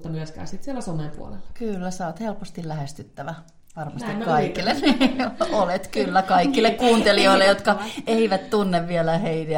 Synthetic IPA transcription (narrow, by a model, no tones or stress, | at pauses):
t̪ːɑmyøskæ̰ːsit̪sielːæsomeːmpṵo̰lelːɑkylːæsoːt̪helpost̪illæhest̪yt̪ːæʋæ | ʋɑrmɑst̪ikkɑikːilːˑenneolet̪kylːækɑikːˑilːˑekkuːnt̪elioilːejot̪kɑeiʋæt̪t̪unːeʋʋielæheine